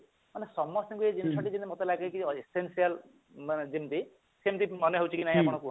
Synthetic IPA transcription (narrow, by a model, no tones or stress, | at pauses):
manesɔmːɔst̪iŋkued͡ʒint͡ʃʰɔʈid͡ʒinimɔt̪elaɡekiesensial | md͡ʒimt̪i | semt̪imɔneɦowt͡ʃʰikinaɦĩapɔɽ̃ɔku